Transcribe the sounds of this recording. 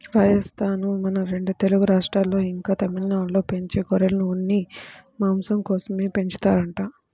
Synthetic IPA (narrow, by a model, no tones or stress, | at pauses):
ɾaːjɐst̪ʰaːnumɐnɐɾe̞ɳɖut̪e̞luɡuɾaːʂʈɾaːlːo̞ːiŋkaːt̪ɐmilɐnaːlːo̞ːpe̞ɲt͡ʃeːkɔɾelɐnuunːimaːmsɐmkɔːsɐme̞ːpe̞ɲt͡ʃi̥t̪aːɾɐɳʈaː